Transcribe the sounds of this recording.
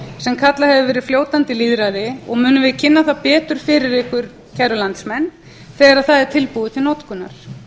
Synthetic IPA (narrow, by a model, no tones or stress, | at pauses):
sɛmkʰat̪lahɛvʏvɛːɾɪðfljoːwt̪ant̪ɪliðɾajðɪɔ̰ɣmʏːnʏmvɪðcʰɪnːaθapɛːt̪ʏɾ̥fɪɾɪɾɪhkvʏɾ̥ | cʰɛɾʏlant̪smɛnː | θɛːɣaɾaðθaðɛɾ̥t̪ʰɪlpuðʏt̪ʰɪlnɔt̪kʏnːa̰ɾ̥